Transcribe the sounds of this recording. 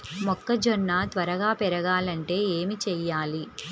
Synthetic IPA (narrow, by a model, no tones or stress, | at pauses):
mɔkːɐd͡ʒɔnːaːt̪ʋɐɾɐɡaːpɛɾɐɡaːlɐɳʈe̞ːeːmit͡ʃɛjːaːli